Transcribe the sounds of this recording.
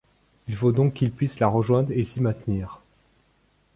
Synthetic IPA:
ilfod̪ɔ̃kːilpɥislaʁəʒwɛ̃d̪ʁesimɛ̃t̪niːʁ

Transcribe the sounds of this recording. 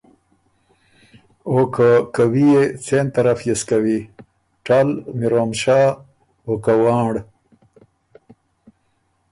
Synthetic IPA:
okakawijet͡sent̪aɾafjeskawi | ʈalmiɾoːmʃa | okawaːɳɽ

